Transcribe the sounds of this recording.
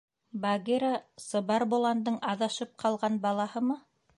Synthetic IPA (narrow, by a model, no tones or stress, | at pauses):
baɡeɾasɤ̆βɑɾbŏlˠɑnd̪ɤɴɑðɑʃɤp̚qʰɑlˠʁɑnbɑlˠɑhɤmɤ